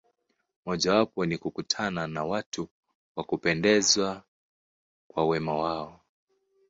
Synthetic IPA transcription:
mɔʄawapɔnikukutʰananawatʰu | wakupɛndɛzwa | kwawɛmawaɔ

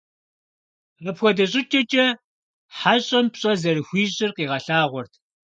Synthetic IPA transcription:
rɐpxʷɔdɐɕʼɪtʰɐt͡ʃʼɐ | ħaɕʼɐmpɕʼɐzɐrɨxʷiːɕʼɪrqiːʁɐɬaːʁʷɔrtʰ

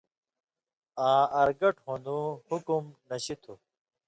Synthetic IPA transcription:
ãːɐɾɡɐʈhõnd̪uhukumnɐɕit̪ʰu

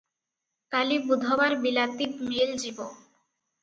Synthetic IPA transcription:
kalibud̪ʱobaɾbilat̪ipmeld͡ʑibo

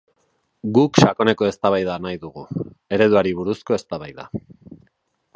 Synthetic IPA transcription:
ɡukʃako̞ne̞ko̞e̞st̪aβajðanajðuɣ̞u | e̞ɾe̞ðuaɾiβ̞uɾusko̞e̞st̪aβajða̰

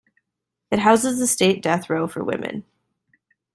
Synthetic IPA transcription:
ɨt̚ɦaʊzɨzðɨsteɪt̚d̥ɛθɹoʊfə̰˞wɪ̰̃mɨ̰̃n

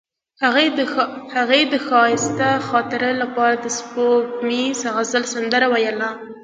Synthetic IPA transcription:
aɣ | haɣejd̪əxɑhɪst̪axɑt̪ɪɾəlapɑɾad̪əspokmisaɣazəlsand̪əɾawajəla

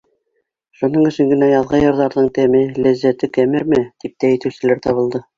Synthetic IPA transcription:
ʃunɤɴɵ̆ʃɘŋɡɘ̆næjɑðʁɑjɤ̆ɾðɑɾðɤɴt̪æmɘlæzːæt̪ɘkæmɘɾmɘt̪ip̚t̪æɘ̆t̪ɘ̆wsɘ̆læɾt̪ɑβɤ̆lˠd̪ɤ

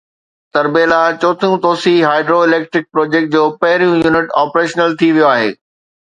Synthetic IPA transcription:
t̪ɐɾbeːlat͡ɕɔːt̪ʰjũt̪oːsiɦaːɪɖɾoɪleːk̚ʈɾɪk̚pɾoːd͡ʑeːk̚ʈ̚d͡ʑoːpɐɦɪɾijũjuːnɪʈaːpɾeːʃnəlt̪ʰiʋijoaːɦḛː

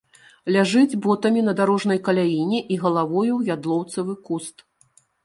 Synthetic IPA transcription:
lʲaʐɨd͡zʲbɔt̪ɐmʲinɐd̪aɾɔʐnɐjkɐlʲajinʲɛʔiɣɐlˠavɔjujad̪lˠɔwt̪sɐvɨkust̪

